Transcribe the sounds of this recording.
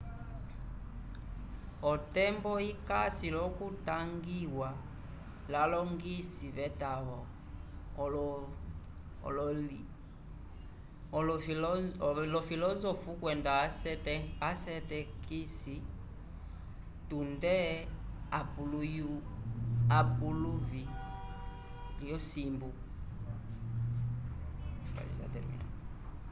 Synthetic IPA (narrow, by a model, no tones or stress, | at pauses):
ɔtɛmbɔikasilɔkutaŋɡiwa | lalɔŋɡisiβɛtaβɔ | l | lɔfilɔzɔfukwɛndaɛtɛasɛtɛkisi | tundɛapuluju | apuluvi | lijɔsimbu | fa̰lḭsa̰tɛ̰mḭa̰